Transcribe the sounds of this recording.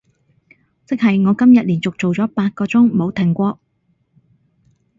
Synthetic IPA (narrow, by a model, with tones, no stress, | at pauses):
t͡sɪ˥k̚hɐ˨jŋɔː˨˧kɐ˥mjɐ˨t̚liː˨˩nt͡sʊ˨k̚t͡so˨wt͡sɔː˨˥paː˧t̚kɔː˧t͡sʊ˥ŋmo˨˧wt̪ʰɪ˨˩ŋkʷɔː˧k̚